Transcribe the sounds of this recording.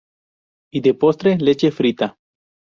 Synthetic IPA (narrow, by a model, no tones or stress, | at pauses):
id̪epost̪ɾelet͡ʃefɾit̪a